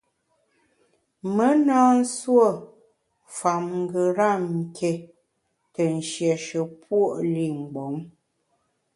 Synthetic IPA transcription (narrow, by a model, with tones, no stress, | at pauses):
mə˦naː˦n̩˦swo˦˨ | fa˨mŋ˦ɡə˨ɾa˦˨mŋ̩˨ke˨˦ | tə˨n̩˨ʃjɛ˨ʃə˨pwo˦˨ʔli˦˨ŋ̩˨ɡ͡bɔ˨˦ŋ